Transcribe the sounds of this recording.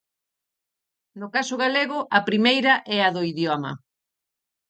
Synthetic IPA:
nʊkasʊɣaleɣʊʔɐpɾimejɾɐʔɛaðʊiðjɔmɐ̰

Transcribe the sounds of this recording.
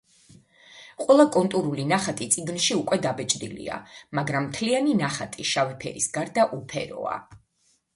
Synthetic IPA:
qʼwɛlˠakʼɔnt̪ʼuɾulinaχat̪ʼit̪sʼiɡnʃiukʼwɛd̪abɛt͡ʃʼd̪ilḭa̰maɡɾamːt̪ʰlianinaχat̪ʼiʃavɛpʰɛ̰ɾisɡaɾd̪aʔupʰɛ̰ɾɔ̰a̰

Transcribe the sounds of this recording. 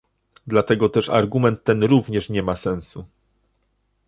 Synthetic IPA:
d̪lat̪ɛɡɔt̪ɛʂa̰ɾɡumɛnt̪ːɛnɾuvɲɛʂɲɛmasɛ̃ñsu

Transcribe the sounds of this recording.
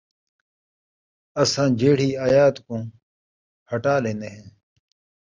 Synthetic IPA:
əsãːd͡ʒeːɽ̤iːaːjaːt̪kõː | həʈaːlẽːneɦẽː

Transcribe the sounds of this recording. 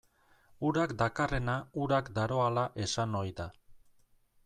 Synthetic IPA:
uɾakd̪akare̞nauɾakd̪aɾo̞alaʔe̞sano̞jd̪a

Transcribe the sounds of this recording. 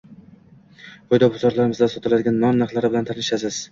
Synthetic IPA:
qojd̪ɒbʊzɒɾlaɾɪmɪzd̪asɒt̪ʰɪlad̪ɪɡʲanːɒnːɑqlˠaɾɪbɪlant̪ʰanɪʃasɪz̥

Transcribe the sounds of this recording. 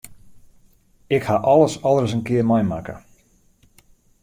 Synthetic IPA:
ɪkhaʔɔlˠəsɔlˠərs̬ənkɪərmajmakə̰

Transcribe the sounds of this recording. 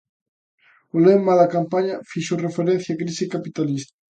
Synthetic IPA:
olemalakampaɲafiʃorefeɾen̟θjakɾisikapit̪alist̪

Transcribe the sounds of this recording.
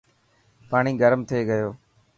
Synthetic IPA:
paːɳ̃iːɡəɾmt̪ʰeːɡəjoː

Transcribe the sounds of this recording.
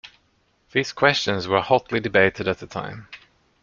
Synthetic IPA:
ðiːz̥kʰw̥ɛst͡ʃə̃nzwə˞hɑtʰˡlidɨbeɪɾɨɾɨt̪̚ðətʰã̰ɪ̃m

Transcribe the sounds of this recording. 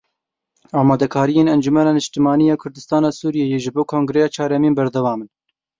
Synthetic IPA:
ɑːmɑːd̪ɛkʰɑːɾijeːnɛnd͡ʒumɛnɑːnɨʃt̪ɨmɑːnijɑːkʰʊɾd̪ɨst̪ɑːnɑːsuːɾijejeʒɨboːkʰoːŋɡɾejɑːt͡ʃʰɑːɾɛminbɛɾd̪ɛwɑːmɨn

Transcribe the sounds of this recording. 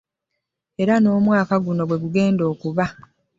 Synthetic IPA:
e̞ɾano̞ːmwaːkaɡuno̞ɡwe̞ɡuɡe̞ːndo̞ːkuβa

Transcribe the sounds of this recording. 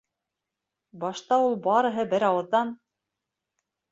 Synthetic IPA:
bɑʃt̪ɑulˠbɑɾɤ̆ɦɤbɘɾɑwɤ̆ðːɑn

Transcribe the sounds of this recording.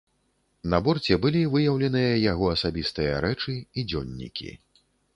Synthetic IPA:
nɐbɔrt͡sʲɛbɨlʲivɨjɐwlʲɛnɨjɐjaɣɔɐsabʲist̪ɨjɐɾɛt͡ʂɨid͡zʲɔnʲːḭkʲḭ

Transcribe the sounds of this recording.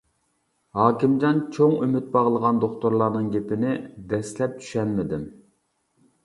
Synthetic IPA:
hɑːkʲimd͡ʒɑnt͡ʃʰoŋymyt̪̚bɑʁlˠəʁɑnd̪oχt̪ʊɾlˠɑɾnɨŋɡʲepɪnɪd̪ɛslɛp̚t͡ʃ̪ʰy̥ʃɛnmɪd̪ɪm

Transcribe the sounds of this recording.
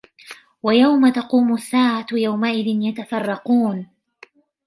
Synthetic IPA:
wajawmat̪ɑquːmʊsːaːʕajawmaʔɪðɪnjat̪afɑrˤːɑquːn

